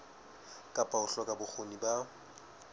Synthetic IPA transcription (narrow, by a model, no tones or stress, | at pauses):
kʼapʼaʊɬɔkʼabʊk͡xʰoniba